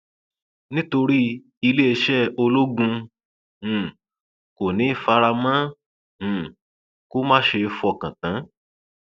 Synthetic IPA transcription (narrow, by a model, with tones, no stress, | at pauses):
nĩ˦to˧ɾi˦ | i˧le˦e˧ʃɛ˦˨o˧lo˦ɡũ˧˨ | ko˨nĩ˨˦˨fa˧˦ɾa˧mã˦ | hũ˨ | ko˦mã˦˨ʃe˧fɔ˦˨kã˨tã˨˦